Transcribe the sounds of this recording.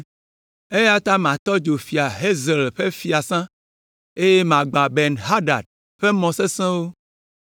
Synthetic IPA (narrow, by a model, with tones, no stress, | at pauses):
e˦ja˦t̪ã˦mã˨t̪ɔ˦d͡ʒo˨fi˨a˨ɦe˦ze˨lɸe˦fi˨a˨sã˦ | e˦je˦mã˨ɡ͡bã˨be˨nɦa˦ɖa̰˨ɖ̚ | ɸe˦mɔ̃˨se˦sẽ˦wo˦